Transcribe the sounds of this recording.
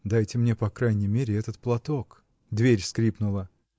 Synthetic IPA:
d̪ajtʲɪmnʲe̞pɐkɾajnʲɪjmʲeɾʲɪɛt̪ət̪plˠɐt̪o̞k | d̪vʲeɾʲskɾʲipnʊlˠə

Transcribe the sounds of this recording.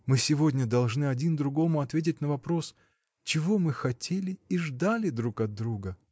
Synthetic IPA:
mɨsʲɪvo̞dʲnʲəd̪ɐlˠʐnɨɐdʲind̪ɾʊɡo̞mʊɐt̪vʲet̬ʲɪt̚ʲnəvɐpɾo̞s | t͡ɕɪvo̞mɨxɐtʲʰelʲɪiʐd̪alʲɪd̪ɾukɐd̪ɾuɡə

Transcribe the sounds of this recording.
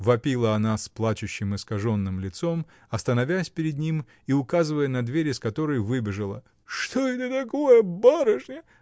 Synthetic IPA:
vɐpʲilˠəɐnasplˠat͡ɕʊɕːɪmɨskɐʐo̞nːɨmlʲɪt̪so̞m | ɐst̪ənɐvʲæsʲpʲɪɾʲɪd̪̚nʲim | iʊkazɨvəjənɐd̪vʲeɾʲɪskɐt̪o̞ɾəjvɨbʲɪʐəlˠə̰ | ʂt̪oɛt̪ət̪ɐkojəbaɾəʂnʲɪ

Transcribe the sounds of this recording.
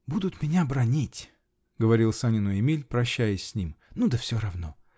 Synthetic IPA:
bud̪ʊt̪mʲɪnʲabɾɐnʲitʲ | ɡəvɐɾʲilˠsanʲɪnʊɪmʲilʲpɾɐɕːæjɪsʲsʲnʲimnud̪əfsʲoɾɐvno̞̰

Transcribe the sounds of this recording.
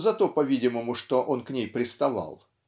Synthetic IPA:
zɐt̪opɐvʲidʲɪməmʊʂt̪oʔo̞nknʲejpɾʲɪst̪ɐva̰lˠ

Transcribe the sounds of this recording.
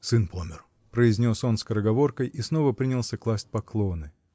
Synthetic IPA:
sɨnpomʲɪr | pɾəɪzʲnʲo̞so̞nskəɾəɡɐvo̞rkəjʔisno̞vəpɾʲinʲɪlˠsʲəklˠasʲt̚ʲpɐklˠo̞nɨ

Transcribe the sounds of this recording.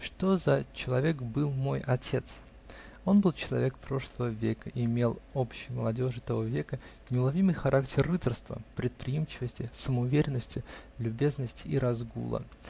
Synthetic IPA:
ʂt̪o̞zɐt͡ɕɪlˠɐvʲe̞kbɨlˠmo̞jɐtʲʰe̞t̪s | o̞nbɨlˠt͡ɕɪlˠɐvʲe̞kpɾo̞ʂlˠəvəvʲekəʔɪmʲe̞lˠopɕːɪjmə̰lˠɐdʲo̞ʐɨt̪ɐvo̞vʲe̞kə | nʲɪʊlˠɐvʲimɨjxɐɾʔak̚tʲɪrːɨərst̪və̰pɾʲɪt̪̚pɾʲɪjimt͡ɕɪvəsʲtʲɪsəməʊvʲeɾʲɪnːəsʲtʲɪlʲʊbʲe̞znəsʲtʲɪiɾɐzɡṵlˠə̰

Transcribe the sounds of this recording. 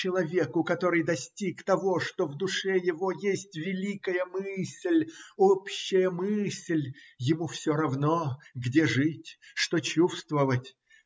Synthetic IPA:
t͡ɕɪlˠɐvʲekʊkɐt̪o̞ɾɨjd̪ɐsʲtʲikt̪ɐvo̞ʂt̪ovd̪ʊʂɛjɪvo̞jesʲtʲvʲɪlʲikəjəmɨsʲlʲopɕːɪjəmɨsʲlʲjɪmufsʲoɾɐvno̞ɡdʲe̞ʐɨtʲʂt̪ot͡ɕufst̪vəvətʲ

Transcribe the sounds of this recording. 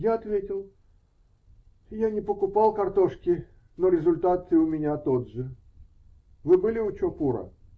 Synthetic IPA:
jaɐt̪vʲetʲɪlˠ | janʲɪpəkʊpɑlˠkɐrt̪o̞ʂkʲɪ | noɾʲɪzʊlʲt̪at̪ɨʊmʲɪnʲat̪od̪ʐɨ | vɨbɨlʲɪʊt͡ɕopuɾə̰

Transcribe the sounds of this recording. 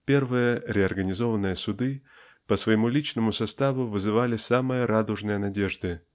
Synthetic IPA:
pʲe̞rvɨjəɾʲɪɐrɡənʲɪzo̞vənːɨjəsʊd̪ɨ | pəsvəjɪmulʲit͡ɕnəmʊsɐst̪avʊvɨzɨvalʲɪsamɨjəɾad̪ʊʐnɨjənɐdʲe̞ʐd̪ɨ

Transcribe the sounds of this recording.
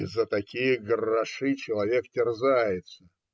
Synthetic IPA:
ɪzːət̪ɐkʲijəɡrɐʂɨt͡ɕɪlˠɐvʲektʲɪrzajɪt̪sə

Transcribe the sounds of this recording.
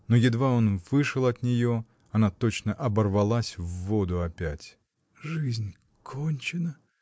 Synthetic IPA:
nojɪd̪vao̞nvɨʂɨlˠɐt̪nʲɪjo̞ | ɐnat̪o̞t͡ɕnəʔɐbərvɐlˠasʲvːo̞d̪ʊɐpʲætʲ | ʐɨzʲnʲ | kʰonʲt͡ɕɪnə

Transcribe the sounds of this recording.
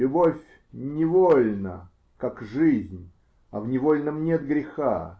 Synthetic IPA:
lʲʊbofʲ | nʲɪvolʲnə | kakʐɨzʲnʲ | ɐvnʲɪvolʲnəmnʲet̪ɡɾʲɪxa̰

